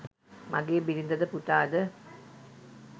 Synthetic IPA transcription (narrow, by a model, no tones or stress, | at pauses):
maɡeːbiɾind̪ɐd̪əpuʈ̪aːd̪ə